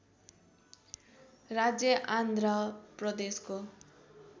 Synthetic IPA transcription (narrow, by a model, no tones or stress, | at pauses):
rad͡zjʌʔand̪ʱrʌprʌd̪esko